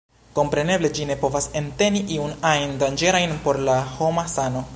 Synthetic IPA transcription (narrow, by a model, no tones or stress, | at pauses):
ko̞mpɾe̞ne̞ble̞d͡ʒine̞po̞vase̞nte̞niʔiunajndand͡ʒe̞ɾajnpo̞ɾlahomasano̞